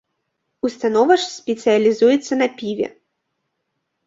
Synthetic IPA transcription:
ust̪anɔvɐʂsʲpʲɛt̪sɨjɐlʲizujɛt̪sːɐnɐpʲivʲɛ̰

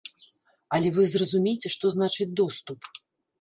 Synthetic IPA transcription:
ɐlʲɛvɨzrɐzumʲejt͡sʲɛʂt̪ɔznat͡ʂɨt͡sʲd̪ɔst̪up

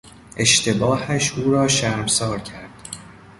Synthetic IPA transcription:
ʔe̞ʃt̪ʰe̞bɒːhæʃuːɾɒːʃæɾmsɒːɾcʰæɾd̪̥

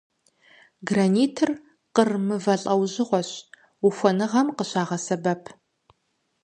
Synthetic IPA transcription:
ɡraːniːtʰɨr | qərmɨvɐɬʼɐwʑɪʁʷɔɕ | uxʷɔnɨʁɐmqəɕaːʁɐsɐbɐpʰ

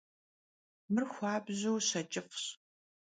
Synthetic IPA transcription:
mɨrxʷɑːbʑuwɕɐt͡ʃʼɪfɕ

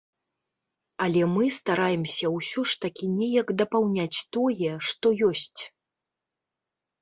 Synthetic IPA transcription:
alʲɛmɨst̪aɾajɛmsʲɐwsʲɔʂt̪akʲinʲɛjɐkd̪ɐpawnʲat͡sʲt̪ɔjɛʂt̪ɔjɔsʲt͡sʲ

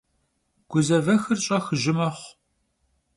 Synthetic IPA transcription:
ɡ̥ʷʊzɐvɐxɨrt͡ʃʼɐxɨʒɪmɐχʷ

